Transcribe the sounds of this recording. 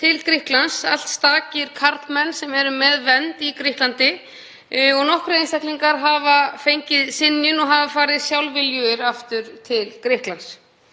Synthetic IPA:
t̪ʰɪlkɾɪhklansa̰l̥t̪st̪aːcɪɾ̥kʰaɾt̪mɛnːsɛmɛɾʏmɛðvɛnt̪ikɾihklant̪ɪ | ɔɣnɔhkɾejnst̪ahkliŋkaɾɦaːvafejɲcɪðsɪnjʏnɔɣɦavafaːɾɪðsjawlvɪljʏɾaft̪ʏɾt̪ʰɪlkɾɪhklans

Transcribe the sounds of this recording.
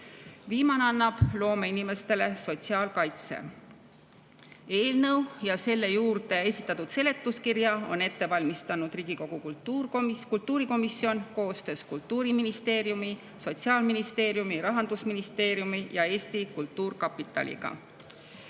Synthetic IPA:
viːmɑnɑnːɑb̥lo̞ːmeinime̞st̪e̞le̞so̞t̪ʲsiɑːlkɑjt̪sḛ | e̞ːlnɤwjɑse̞lːe̞juːrd̪e̞e̞sʲi̥t̪ːˑɑt̪ud̪̥se̞le̞t̪ːˑuskirjɑo̞̰ne̞t̪ːe̞vɑlʲmist̪ɑnud̪̥riːɡiko̞ɡ̥ukuukult̪ˑːuːɾiko̞misːio̞nko̞ːst̪ø̞ːskult̪ːuːɾiminist̪e̞ːɾjumi | so̞t̪siɑːlminist̪e̞ːɾjumiɾɑɦɑnd̪̥usminist̪e̞ːɾjumijɑe̞ːst̪ikult̪ːuːrkɑpːˑit̪ːˑɑ̰lʲʔḭɡ̥ɑ̰

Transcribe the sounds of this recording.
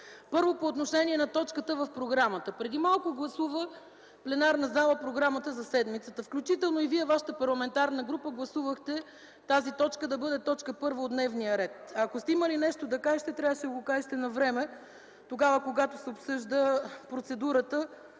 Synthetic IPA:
pɤɾvopoːt̪noʃɛniɛnɐt̪ɔt͡ʃkət̪əvɐfpɾoɡɾamət̪əpɾɛd̪imalˠkoɡlˠɐsuvə | plɛnaɾnɐzalˠəpɾoɡɾamət̪əzɐsɛd̪mit̪sət̪əfklʲut͡ʃit̪ɛlˠnoiviɛvaʃə̥t̪əpɐɾlˠɐmɛnt̪aɾnəɡɾupəɡlˠɐsuvəxt̪ɛ | t̪azit̪ɔt͡ʃkəd̪ɐbɤd̪ɛt̪ɔt͡ʃkəpɤɾvəod̪nɛvnijəɾɛt̪ɐkost̪ɛiməlinɛʃt̪od̪ɐkaʒɛʃt̪ɛt̪ɾʲavəʃɛɡokaʒɛʃt̪ɛnɐvɾɛmɛ | t̪oɡavəkoɡat̪osɛopsɤʒd̪əpɾot̪sɛd̪uɾət̪ə

